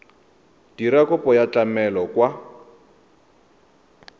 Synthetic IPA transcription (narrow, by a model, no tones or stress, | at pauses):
d̥iɾakʊpɔjat͡ɬʼamɛlɔkwa